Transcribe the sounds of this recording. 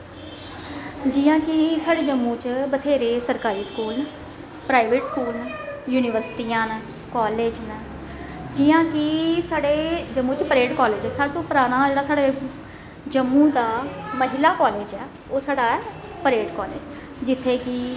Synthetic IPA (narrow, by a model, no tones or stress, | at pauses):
d͡ʒɪjãːkɪsaːɽeːd͡ʒəmːũːt͡ʃbət̪ʰeːɾeːsəɾkaːɾiːskuːlnː | pɾaːiʋeːʈskuːlnːjuːniːʋəɾsɪ̥ʈiːãːnː | kɔːleːd͡ʒnɛ | d͡ʒɪːãːkɪsaːɽeːd͡ʒəmːũːt͡ʃpəɾeːɖkɔːleːd͡ʒɛːsaːɽet̪õːpəɾaːɽ̃aːd͡ʒeːɽaːsaːɽeː | d͡ʒəmːũːd̪aːməɦɪlaːkɔːleːd͡ʒɛː | oːsaːɽaːɛː | pəɾeːɖkɔːleːd͡ʒ | d͡ʒɪt̪ʰːeːkɪ